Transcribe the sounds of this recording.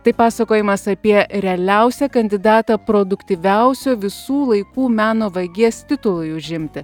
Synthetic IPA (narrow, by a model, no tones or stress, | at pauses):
t̪ɐɪpɑːsɐkoːjɪmɐsɐpʲiɛɾʲɛɐlʲɛʊsʲæːkɐnʲd̪ʲɪd̪ɑːt̪ɑpɾoːd̪ʊkt̪ʲiʋʲɛʊsʲoːʋʲɪsuːlˠɐɪkuːmʲæːnoːʋɐɡʲiɛst̪ʲɪt̪ʊlˠʊɪʊʒʲɪmʲt̪ʲɪ